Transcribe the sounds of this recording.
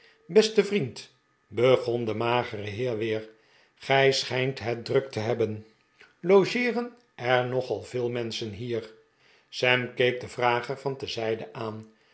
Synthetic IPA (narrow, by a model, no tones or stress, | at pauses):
bɛstəvrint | bəχɔndəmaːχərəɦɪːɹʋɪːɹ | χɛjsχɛjntɦɛt̚drɵk̚təɦɛbən | lowʒɪːrən | ɛɹnɔχɑlˠvɪːlˠmɛnsənɦiːɹ | sɛmkejk̚dəvraːχəɹvɑntəzɛjdəʔaːn